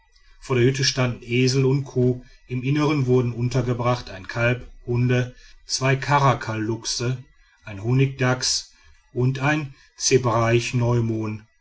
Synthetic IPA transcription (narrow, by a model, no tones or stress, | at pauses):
foːɐdeːɐhʏtəʃtandn̩ʔeːzl̩ʊnt̚kʰoː | ɪmɪnəʁənvʊɐdn̩ʔʊntɐɡəbʁaχtaɪnkʰalphʊndət͡sv̥aɪkʰaʁakʰalːʊksə | ʔaɪnɦoːnɪk̚d̥aks | ʔʊntaɪn | t͡sebʁaɪçnɔʏmoːn